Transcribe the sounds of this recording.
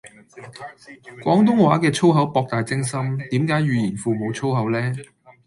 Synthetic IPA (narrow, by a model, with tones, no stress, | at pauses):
kʷɔː˨˥ŋt̪̬ʊ˥ŋwaː˨˥kɛː˧t͡sʰo˥wɦɐ˨˥wpɔː˧k̚t̪aː˨jt͡sɪ˥ŋsɐ˥mt̪iː˨˥mkaː˨˥jɥyː˨jiː˨˩nfuː˨mo˨˧wt͡sʰo˥wɦɐ˨˥wlɛː˥